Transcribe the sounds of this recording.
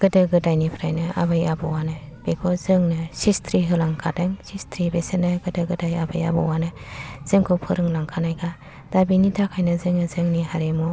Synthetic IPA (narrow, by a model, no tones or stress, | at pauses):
ɡ̥ɯdɯɡɯdajnipʰɾajnɯa̰bɯjabɯwanɯ | b̥ekʰɔzɯŋnɯsistʰɾiɦɯlaŋkʰadaŋsistʰɾibesenɯɡɯdɯɡɯdajabɯja̰bɯ̰wanɯz̥ɯŋkʰopʰɯɾɯŋlaŋkʰanajɡa | d̥abinitʰakʰajnɯzɯŋnɯzɯŋniɦaɾemu